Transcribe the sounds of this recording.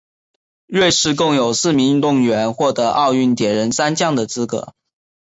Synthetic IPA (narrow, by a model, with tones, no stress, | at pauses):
ɻwe˥˧ɪʂɻ̩˥˧kʊ˥˩ŋjo˨˩ʊsɹ̩˥˩mi˧˥˧t̪ʊ˥˩ŋɥɛ˧˥nxwɔ˥˩t̪ɤ˧˥ʔɑ˥˧ʊy˥˩nt̪jɛ˨˩ɻə˧˥nsa˥nt͡ɕjɑ˥˩ŋd̪ə˩t͡sɹ̩˥kɤ̰˧˥